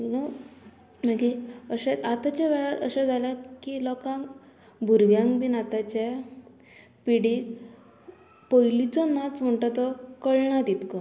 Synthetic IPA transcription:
inɔ | nakiəɕɛat̪at͡ɕaʋɛɭaɾə̰ɕɛ̃d͡zʱalakilɔkãŋ | bʱuɾʋjãŋkbinat̪at͡ɕa | piɽi | pɔjlit͡sɔnat͡sm̤əɳʈat̪ɔkəɭɳat̪it̪kɔ

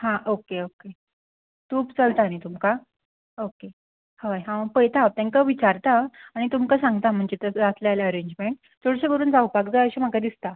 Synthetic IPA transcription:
ɦãʔokeoke | t̪uːpt͡səlt̪añit̪umka | oke | hajɦãɡpəjt̪ʰap̚t̪ẽŋkəʋit͡ɕaɾt̪aaɽ̃it̪umkasãŋɡt̪am̤əɳd͡ʑet̪əd͡zat̪lajlaəɾeɲd͡ʑmeɳʈ | t͡sʰoɽsəbəɾuːnd͡zaupakd͡zaəɕim̤əkad̪ist̪a

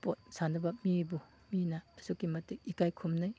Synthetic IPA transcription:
pot̚sanɐbɐmibu | minɐɐsukimɐtik̚ikajkʰumnaj

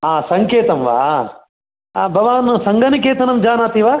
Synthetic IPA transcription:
ɦaːsɐŋkeːt̪ɐmʋa̰ː | bʱɐʋaːnsɐŋɡɐnik̬eːt̪ɐnɐmd͡ʒaːnaːt̪iʋaː

